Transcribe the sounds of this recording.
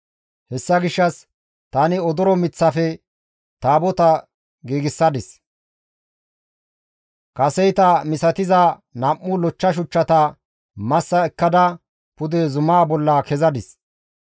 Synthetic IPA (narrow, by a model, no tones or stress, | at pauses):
hɛsːɐɡɪʃːɐs | t̪ɐnɪɔd̪ɔɾɔmɪt͡sːɐfɛ | t̪aːbɔt̪ɐ | ɡiːɡɪsːɐd̪ɪs | kɐsɛjt̪ɐmɪsɐt̪ɪzɐ | nɐmːʊlɔt͡ʃːɐʃ̬ʊt͡ʃːɐt̪ɐ | mɐsːɐɛkːɐd̪ɐ | pʊd̪ɛzʊmaːbɔlːɐkɛzɐd̪ɪs